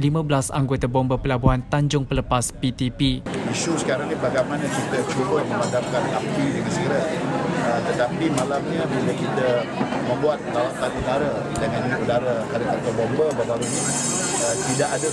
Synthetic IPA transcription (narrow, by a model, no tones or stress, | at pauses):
limãbəlasa̰ŋɡot̪abɔmbəpəlabuɦant̪aɲd͡ʒʊŋpələpaspit̪ipiiʃusə̥kaɾaŋnibaɡajmanakɾit̪ət͡ʃuɾʊhmə̃madamkanapidəŋansəɡəɾaət̪ət̪apimalamɲəbiləkit̪a | mə̃mbuat̪ːaat̪ːanudaɾa | dəŋanĩʔudaɾahadakat̪abɔmbəbəbaɾuɲi | ət̪idaʔada